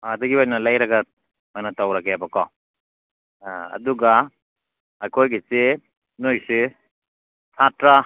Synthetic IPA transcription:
dɐɡiajnɐlajɾaɡa | majnatawɾakeabakɔ | ɐ̰duɡa | ajkʰojɡise | nojse | sʰatɾa

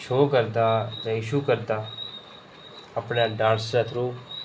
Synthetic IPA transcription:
ʃoːkəɾd̪aːd͡ʒãːɪʃuːkəɾd̪aː | əpɳjaːɖãːnsɾat̪ʰɾuːp

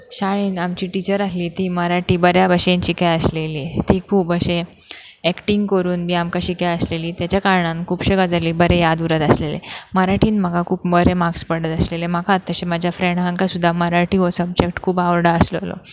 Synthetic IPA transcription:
ɕaɭ̃iːnamt͡ɕiːʈit͡ɕəɾasliːt̪iːməɾaʈiːbəɾjabəɕent͡ɕikajəsleliːt̪iːkʰuːpəɕe | ɛkʈiŋɡkəɾuːnmiːamkaɕikaəsleliːt̪jat͡ɕjakaɾɳankʰuːpɕəkad͡zaliːbəɾejad̪uɾət̪əslelḛməɾaʈiːnm̤əkakʰuːpəɾemakspəɽət̪əslelemakʰat̪ːəɕemad͡ʑʱjafɾẽɳɖɦaŋkasud̪ʱːaməɾaʈiɦosəb̚d͡ʑek̚ʈkʰuːpaʋəɾɖaəslolɔ̰

